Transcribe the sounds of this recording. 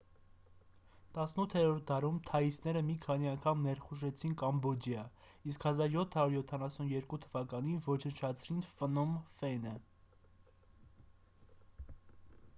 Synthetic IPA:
t̪ɑsnut̪ʰːɛɾɔɾt̪̚d̪ɑɾumt̪ʰɑisnɛɾəmikʰɑniɑŋkʰɑmnɛɾχuʒɛt͡sʰinkɑmbɔd͡ʒjɑ | iskhɑzɑɾjɔt̪ʰhɑɾuɾjɔt̪ʰɑnɑsunjɛɾkut̪ʰəvɑkɑninvɔt͡ʃʰənt͡ʃʰɑt͡sʰɾinfənɔmfɛnə

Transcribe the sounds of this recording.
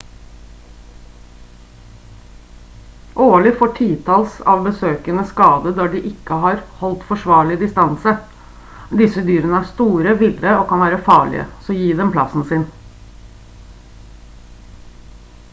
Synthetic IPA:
ʔoːlɪfoːʈʰiːt̪ʰɑlsɑ̰ːʋbəsøːkənəskɑːd̪əd̪ɑɖiʔɪkːəɦɑːɾhɔlt̪fɔʂʋɑːɭɪd̪ɪst̪ɑnsə | d̪ɪsəd̪yːɾənəæst̪uːɾəʋɪlɾəoːkʰɑnʋæːɾəfɑːɭɪ̰ə̰sɔjiːd̪ɛmpʰlɑsn̩sɪn

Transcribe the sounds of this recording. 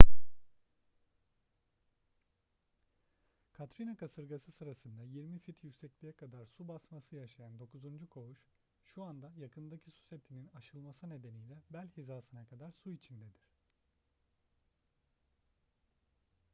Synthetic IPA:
kʰat̪ɾinakʰasɯɾɡasɯsɯɾasɯnd̪ajiɾmifit̪ʰjycsɛclʲijɛkʰad̪aɾsubasmasɯjaʃajand̪o̞kuzund͡ʒukʰo̞uʃ | ʃuand̪ajakʰɯnd̪acʰisu̥sɛp̚t̪ʰininaʃɯlˠmasɯne̞d̪e̞nijlʲɛbælʲhizaːsɯnakʰad̪aɾsuit͡ʃʰind̪ɛd̪iɾ̥

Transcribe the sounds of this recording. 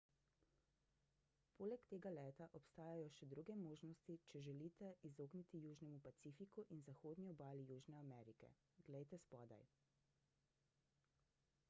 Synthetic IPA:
poːlɛkt̪eːɡalɛːt̪aʔɔpst̪aːjajɔʃɛd̪ɾuɡɛmoːʒnɔst̪it͡ʃɛʒɛliːt̪ɛizoːɡnit̪ijuːʒnɛmupat̪siːfikuʔinzaxoːd̪niɔbaːlijuːʒnɛamɛɾikɛ̰ | ɡlɛjt̪ɛspɔːd̪a̰j

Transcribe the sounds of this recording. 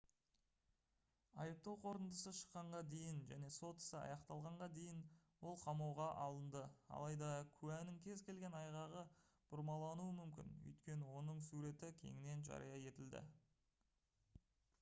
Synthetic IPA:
ɑjəp̚t̪ɑwqʰo̞ɾənd̪əsəʃə̥qːɑɴʁɑd̪e̞jɪnʒæne̞so̞t̪ɪ̥səɑ̰jɑqt̪ɑlˠʁɑɴʁɑd̪e̞jɪnwo̞lˠqʰɑmɑwʁɑʔɑlˠənd̪əɑ̰lˠɑjd̪ɑkʲʰʉænɪŋkʲʰe̞zkʲʰe̞lɡʲe̞nɑjʁɑʁə | b̥ʊɾmɑlˠɑnuəmʏmkʲɪ̰nʏ̰jt̪kʲe̞nɪwo̞nəɴsuɾe̞t̪ɪkʲʰe̞̰ŋɪne̞nʒɑ̰ɾḭjɑje̞t̪ɪld̪ɪ̰

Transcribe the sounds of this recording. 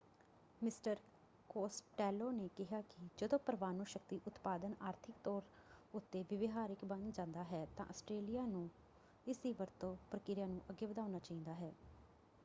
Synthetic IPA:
mɪsʈəɾ | koːsʈɛːloːneːkɪɦaːkɪd͡ʒəd̪õːpəɾʋaːnũːʃək̚t̪iːʔʊt̪paːd̪ənaːɾt̪ʰɪk̚t̪ɔːɾʊt̪ːeːʋɪʋɪɦaːɾɪkbə̃nd̪d͡ʒãːnd̪aːɦɛːt̪ã̰ːʔəsʈɾeːlɪjaːnũː | ɪsiːʋəɾt̪õːpɾəkɪɾjãːnũːʔəɡːeːbəd̪aːʊnaːt͡ʃaːɦĩːnd̪aːɦɛː

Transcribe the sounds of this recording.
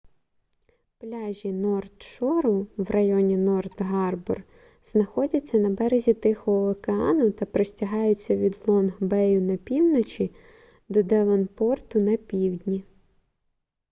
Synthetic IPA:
plʲɑʒʲinɔrt̪ʃɔɾʊwrɐjɔnʲinɔrt̪ɦɑrbɔ̰r | z̥nɐxɔdʲɐt͡sʲːɐnɐbɛɾezʲit̪ɪxɔɦɔɔkeɑ̰nʊt̪ɐpɾɔsʲtʲɐɦɑjʊt͡sʲːɐʋʲid̪lˠɔnɦbɛjʊnɐpʲiwnɔt͡ʃʲi | d̪ɔd̪ɛʋɔnpɔrt̪ʊnɐpʲiwdʲnʲi

